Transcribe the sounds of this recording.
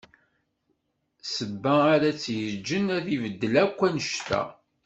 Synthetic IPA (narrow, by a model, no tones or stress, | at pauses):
səbːæaɾæt͡sːjəd͡ʒːənæðivəd̪ːəlækʷːænəʃt̪æ̰